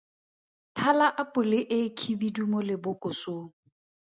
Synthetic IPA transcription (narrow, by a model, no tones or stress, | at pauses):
tʰalaʔapʼʊlɪʔɪkʰibidumɔlɪbʊkʼʊsʊːŋ